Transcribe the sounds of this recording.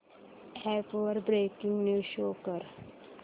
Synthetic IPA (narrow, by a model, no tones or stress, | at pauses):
ɛpʋəɾbɾekĩŋɡneɕokəɾ